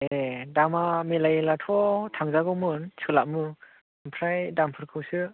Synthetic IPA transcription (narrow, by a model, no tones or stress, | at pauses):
edamamelajelatʰɔtʰaŋzaɡɯwmɯnsʰɯlaʔmɯ | mpʰɾajdampʰɯɾkʰɯwsɯ